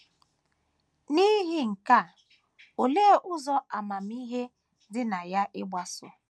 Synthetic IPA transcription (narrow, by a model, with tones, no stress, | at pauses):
ni˦ɦɪ˦ŋ̩˨ka˦˨ | o˨leː˦ʔʊ˦zɔ˦ʔa˨ma˨m̩˦i˦ɦe˦ | dɪ˦na˨ja˦ʔɪ˦ɡ͡ba˦sʊ̰˦